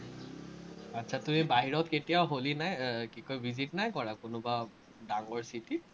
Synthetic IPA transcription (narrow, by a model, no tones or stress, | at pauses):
atːsʰatumibaɦiɹɔtketijaʊɦolinajkikojbʱizitnajkɔɹakʊnʊba | daŋɔɹsiti